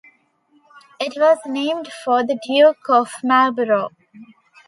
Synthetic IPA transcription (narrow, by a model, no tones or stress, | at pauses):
ɪʈʋɔːznẽːmɖfɔːd̪əɖjuːkʰɔʋmælbəɾoː